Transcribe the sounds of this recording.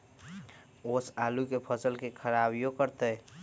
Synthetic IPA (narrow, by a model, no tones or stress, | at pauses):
oːsaːlukepʰəsəlkekʰəɾaːbjokəɾt̪e